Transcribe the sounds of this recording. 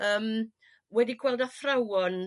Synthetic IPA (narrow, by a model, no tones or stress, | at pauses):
əːm | wɛdiɡʰwɛlˠdafrawɔn